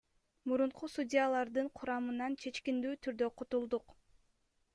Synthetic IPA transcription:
muɾuɴqusudʲijalˠɑɾd̪ɯɴqʰuɾɑmɯnɑnt͡ʃʰe̞t͡ʃkind̪yːt̪ʰyɾd̪ø̞qʰut̪ulˠd̪uq

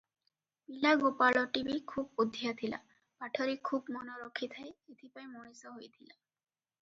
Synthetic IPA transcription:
bilaɡopalɔʈibikʰubud̪ʱːijat̪ʰila̰ | paʈʰɔɾikʰubmɔnoɾɔkʰit̪ʰajet̪ʰipajmoɽ̃isɔɦojt̪ʰila

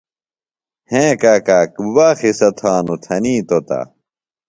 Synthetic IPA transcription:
hẽːkaːkaːkbaːxisɐt̪ʰaːnut̪ʰɐniːt̪ot̪a̰

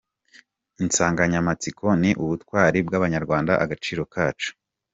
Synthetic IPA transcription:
insaːŋɡaɲamat͡sikʰo̞niʔuβutkwaːɾibɡaβaɲaɾɡwaːnda̰ʔaɡat͡ʃiːɾo̞kaːt͡ʃu̥

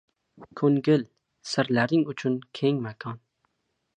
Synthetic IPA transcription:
kʲʰøŋɡʲɪl | sɪɾlæɾɪŋyt͡ʃʰynkʲʰeŋmɛkʰɑn

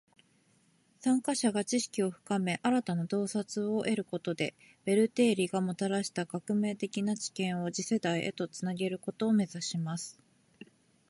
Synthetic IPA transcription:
sãŋkaɕaɡat͡ɕiɕi̥kʲio̞ɸɯ̟̥kame̞ʔaɾat̪anad̪o̞ːsat͡sɨo̞ʔe̞ɾɯ̟ko̞t̪o̞d̪e̞ | b̥e̞ɾɯ̟t̪e̞ːɾʲiɡamo̞t̪aɾaɕi̥t̪akakɯ̟me̞ːt̪e̞kʲinat͡ɕi̥kẽ̞ɰ̃o̞d͡ʑise̞d̪aiʔe̞̰t̪o̞t͡sɨnaɡe̞ɾɯ̟ko̞t̪o̞ːme̞zaɕimasɨ̥

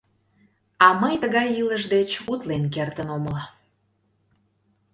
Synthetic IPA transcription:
ɑməjt̪əɣɑjiləʒd̪et͡ɕut̪lenk̬ert̪ənoməlɑ

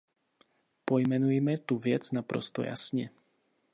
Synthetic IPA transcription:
pojmɛnujmɛt̪uvjɛt͡snapɾo̰st̪o̰ja̰sɲɛ

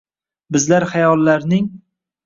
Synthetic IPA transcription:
bɪzlaɾhajɒlˠːaɾnɪŋ

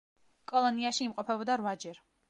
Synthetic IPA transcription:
kʼɔlˠɔniaʃiːmqʼɔpʰɛbɔd̪aɾvad͡ʒɛɾ

